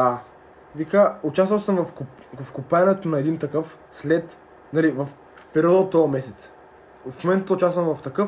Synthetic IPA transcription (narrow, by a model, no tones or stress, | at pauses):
a | vikaʊt͡ʃast̪vəlˠsəmvɐfk | vɐfkʊpanɛt̪onɐɛd̪int̪ɐkɤf | slɛt̪ | nɐlivɐf | pɛɾiɔd̪ot̪ːɔmɛsɛt̪s | fmomɛnt̪əʊt͡ʃast̪vəmvɐft̪ɐkɤf